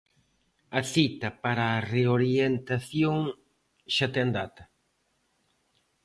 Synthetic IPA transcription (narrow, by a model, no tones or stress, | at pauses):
ɐθit̪ɐpaɾaːreoɾjent̪aθjoŋ | ʃat̪eand̪at̪ɐ̥